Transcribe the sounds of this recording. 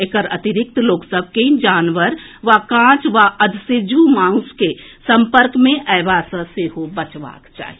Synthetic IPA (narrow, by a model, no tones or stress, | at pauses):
ekəɾət̪iɾɪk̚t̪loːksəb̚ʱkeĩd͡ʒaːnʋəɾʋakãːt͡ʃʋaəd̪ʱsed͡ʒʱumãːʊ̃skesə̃mpəɾkmẽʔɛːʋasəseɦobət͡ʃʋa̰ːkt͡ʃa̰ːɦi